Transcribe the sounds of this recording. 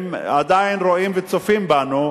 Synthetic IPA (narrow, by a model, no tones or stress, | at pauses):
mad̪ainʁoimvet͡sofimbanu